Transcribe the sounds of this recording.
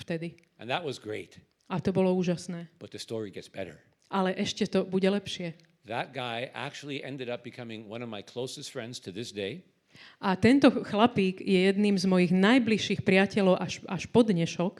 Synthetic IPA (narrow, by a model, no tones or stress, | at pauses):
ft̪ɛd̪i | ʔɨ̃nðət̚wʌzɡɹeɪt | ʔat̪ɔbɔlɔuːʒasnɛːb̥ʌt̪̚ðɨstɔɹiɡɛtsb̥ɛ̰ɾə̰˞ | ʔalɛʔɛʃcɛt̪ɔbuɟɛlɛpʃɪɛ | ðət̚ɡ̥aɪʔæ̰k̚t͡ʃul̩ˠiʔɛ̃ndɨɾʌp̚b̥ɨkʰʌmɪ̃ŋwʌ̰̃nʌvmaɪkʰl̥oʊsɨstfɹɛ̃ndz̥tʰɨðɪsd̥eɪ | ʔat̪ɛnt̪ɔxlapiːɡjɛjɛd̪niːmzmɔjiɣnajbliʃːiːxpɾɪacɛlɔʊʔaʃʔaʃpɔd̪ɲɛʃɔk